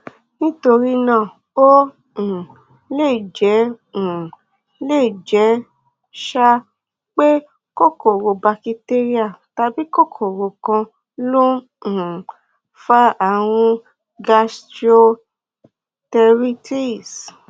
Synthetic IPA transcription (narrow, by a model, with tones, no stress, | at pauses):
nĩ˦to˧ɾi˦nã˦˨ | õ˦˨ | le˦˨d͡ʒɛ̃˨˦˨ | le˦˨d͡ʒɛ˨˦ | ʃa˦ | k͡pe˦ | ko˦ko˨ɾo˨˧ba˧ki˧te˦ɾi˦a˦˨ta˧bi˦ko˦˨kʰo˨ɾo˨kã˧ | lõ˦˨ | fa˦a˦˨w̃ũ˧ | ɡa˧sti˦o˧ | tɛ˧ɾi˦ti˦˨s